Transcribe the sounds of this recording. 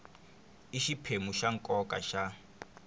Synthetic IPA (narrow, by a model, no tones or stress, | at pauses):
iʃipʰemuʃaŋ̩kʼɔkʼa̰ʃa